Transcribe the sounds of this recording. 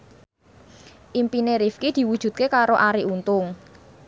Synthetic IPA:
ʔimpineɾifkid̪̥i̤wud̥ʒ̥ṳt̪̚kekaɾoʔaɾiʔunt̪ʊŋ

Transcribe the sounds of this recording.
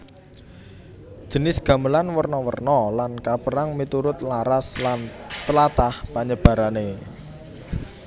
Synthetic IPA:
d̥ʒ̥ə̤nɪsɡ̥a̤məlanwərnɔwə̰rnɔlankapəɾaŋmit̪uɾʊt̪laɾaslant̪əlat̪ahpaɲəb̥ä̤ɾane

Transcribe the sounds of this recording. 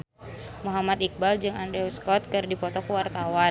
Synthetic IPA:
muɦamat̪ik̚bald͡ʒɨŋandɾɛuskɔt̪̚kɨrdipɔt̪ɔkuwart̪awa

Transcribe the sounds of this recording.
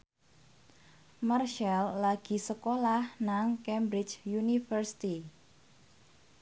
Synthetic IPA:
marʃalːaɡ̥i̤səkolahnaŋkɛmbɾɪt͡ʃjunifərsi̥t̪i

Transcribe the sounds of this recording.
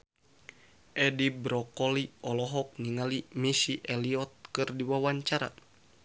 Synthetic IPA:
ʔɛdibɾɔkɔliɔlɔɦɔk̚niŋalimisiʔɛliɔt̪̚kɨrdiwawaɲt͡ʃaɾa̰

